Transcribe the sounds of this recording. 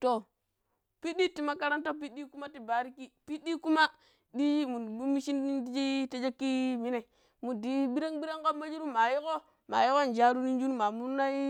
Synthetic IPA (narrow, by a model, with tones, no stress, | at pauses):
to˨ | pi˦ɗi˦ti˨ma˦ka˦ɾa˦nto˦˨p̬i˦di˦ku˦ma˦ti˨ba˨ɾi˦ki˦pi˦ɗi˦ku˦ma˦ | di˦i˦mu˨u˦mi˦ʃi˦n˦di˦d͡ʒi˦te˦d͡ʒe˦kːi˦mi˦ne˨ | mu˨di˨˦ɓi˦ɾa˦ŋɓi˦ɾa˦ŋka˦mːa˦d͡ʒi˦ɾu˦ma˨ji˦ko˦ | ma̰˨ji˦ko˦˨n˨d͡ʒa˦ɾu˦ni˦n˦d͡ʒu˦n˦ma˨mu˦na˦i˦